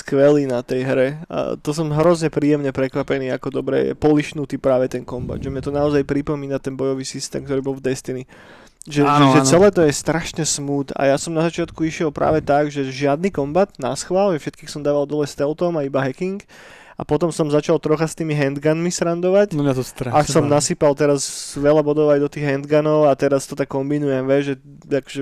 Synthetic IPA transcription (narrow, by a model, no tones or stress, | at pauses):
skʋɛliːnat̪ɛjɦɾɛ̰t̪ɔs̬ɔmɦɾɔzɲɛpɾiːjɛmɲɛpɾɛkʋapɛniːakɔd̪ɔbɾɛ̰jɛ̰pɔliʃnut̪iːpɾaːʋɛt̪ɛnkɔmba̰d̪ʒɛmɲat̪ɔnaɔzajpɾipɔmiːnat̪ɛnbɔjɔʋiːsist̪ɛ̰ːmkt̪ɔɾiːbɔlˠvd̪ɛst̪ini | ʒɛʒɛʒɛsɛlɛːt̪ɔjɛst̪ɾaʃɲɛsmuːt̪a̰jasɔmnazat͡ʃɪat̪kuiʃɪɛlˠpɾʔa̰ːʋɛt̪aɡʒɛʒɪad̪nikɔmbat̪nasxʋalʒɛfʃɛt̪kiːxsɔmd̪aːʋalˠd̪ɔlɛst̪ɛlt̪ɔmaibaɦɛkiŋk | ʔa̰pɔt̪ɔmsɔmzat͡ʃalt̪ɾɔxast̪iːmiɦɛnd̪ɡanmisɾand̪ɔʋacnmɲat̪ɔst̪ɾasɔmnasiːpalˠt̪ɛɾazʋɛlabɔd̪ɔʊajd̪ɔt̪iːɣɦɛnd̪ɡanɔʊat̪ɛɾast̪ɔt̪akːɔmbinujɛmʋɛʒʒɛ | akɔ̥ʒɛ